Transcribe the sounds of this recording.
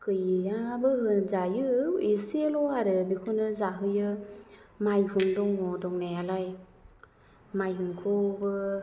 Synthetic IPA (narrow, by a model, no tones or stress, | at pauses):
kɯjiabɯɦɯnzajɯesilɔaɾɯbikʰunɯzaɦɯjɯ | majhuŋdɔŋɔdɔŋnajalaj | majɯŋkʰubɯ